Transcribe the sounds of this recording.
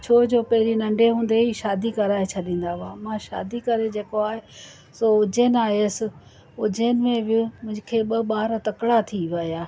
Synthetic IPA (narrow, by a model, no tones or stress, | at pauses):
t͡ɕʰoːd͡ʑoːpɐɦɪɾinɐ̃ɳɖeɦũːnd̪eiːʃaːd̪ikɐɾaːet͡ɕʰɐɗĩːn̆d̪aʋãːmãʃa̰ːd̪ikɐɾed͡ʑeːkoaːɦe | soːʊd͡ʑenaːɦesɪ | ʊd͡ʑenɪmẽʋɪmʊ̃ʊkʰeːɓɐɓaːɾt̪ɐkɽat̪ʰiʋɐijaː